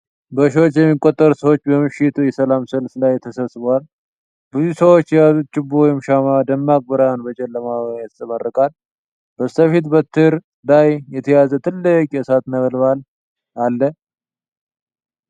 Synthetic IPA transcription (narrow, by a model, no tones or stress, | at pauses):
bəʃwot͡ʃːjɛmːikʼːot̪ʼːəɾsəwot͡ʃːbəmɨʃɪt̪ʰujɛsəlamsəlflajt̪ʰːəsəβsɨβəwal | bɨzusəwot͡ʃːjɛjazut̪̚t͡ʃʼːɪbːuwɔjɪmʃamad̪əmːak̚ʼboɾanbət͡ʃʼɛlːəmaβaat̪sʼɨmərːəkʼal | b̥əsəfit̪bət̪ʰːɨhɾ | lajjɛt̪ʰəjazət̪ʰɨlːɨkʼjɛsat̪nəβəlβal | alːə